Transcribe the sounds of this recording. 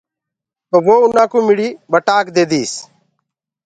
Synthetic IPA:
pəʋoːʊnãːkũːmɪɽiːbəʈaːkd̪eːd̪iːs

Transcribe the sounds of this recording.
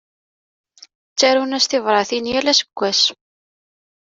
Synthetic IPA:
t͡sːæɾhunæst̪ɪvɾˤɑθinjælæsə̥ɡʷːæs

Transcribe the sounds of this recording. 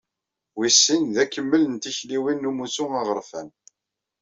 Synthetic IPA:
wisːinðækːəmːələnt̪içliwinːumusuɑʁəɾfæn

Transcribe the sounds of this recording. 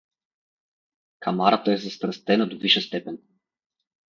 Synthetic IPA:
kʰamaɾat̪əɛzɐst̪ɾɐst̪ɛnod̪oviʃɛst̪ɛpɛn

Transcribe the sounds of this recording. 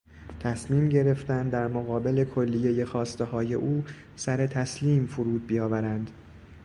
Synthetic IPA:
t̪ʰæsmiːmɟe̞ɾe̞ft̪ænd̪æɾmoɣɒːbe̞le̞kʰolːijeje̞xɒːst̪e̞hɒːje̞ʔuː | sæɾe̞t̪ʰæsliːmfuɾuːd̪̚bijɒːvæɾænd̪

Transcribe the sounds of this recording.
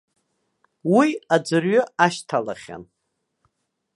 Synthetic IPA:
wiad͡zɨrɥɨaʃtʰala̰χʲa̰n

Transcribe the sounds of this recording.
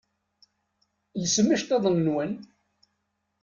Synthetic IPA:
jəsəmːəʃt̪ɑðˤənnwən

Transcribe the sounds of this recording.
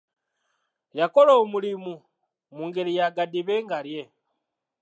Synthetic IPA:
jakoloːmulimu | muːŋɡelijaɡadiβeːŋɡalje

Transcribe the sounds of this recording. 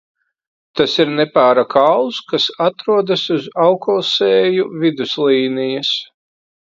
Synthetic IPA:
t̪asiɾnɛpaːɾakʰawˠskasat̪ɾuɔd̪asuzawkɔːsɛːjuvid̪uslˠiːnijas

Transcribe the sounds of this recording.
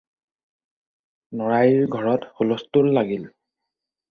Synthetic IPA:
nɔɹajiɹɡʱɔɹɔtxolɔstulːaɡil

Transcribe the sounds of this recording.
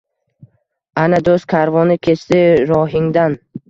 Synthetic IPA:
anad̪oskʰaɾvɒnɪkʲʰe̞t͡ʃt̪ɪɾɒɦɪŋd̪an

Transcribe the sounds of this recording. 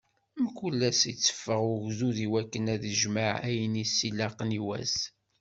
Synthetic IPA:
mkːulːæsit͡sːə̥fːəʁʊʝzuðiwækːənæðəʒmaʕæjənisːilːɑqniwæ̰s

